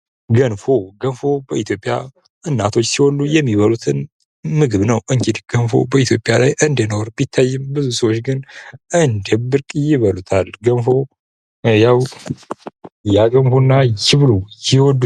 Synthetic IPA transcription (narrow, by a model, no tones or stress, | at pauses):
ɡənfo̞ɡənfo̞bəit̪jo̞pʼːja̰ | ʔɨnːat̪ʰo̞t͡ʃːsiwɔlːujɛmːiβəlut̪ʰɨn | mɨɡɨβnəwʔɨŋt͡ʃid̪ɡ̥ənfo̞̰bəit̪ʰjo̞pʼjalajʔɨnd̪enoɾbit̪ʰːajːɨmbɨzusəwot͡ʃːɡɨnʔɨnd̪ebɨɾkʼjɪβəlut̪ʰalɡənfo̞ | jaw | jaɡənfonːajɪβɨlujɪwɔd̪u